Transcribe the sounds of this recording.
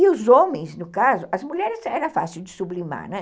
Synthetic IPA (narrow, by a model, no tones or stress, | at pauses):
ɪʊzõmẽj̃snʊkazʊɐzmuʎɛɾɪsɛɾɐfa̰sɪwd͡ʒɪsublima̰ɾnɛ̃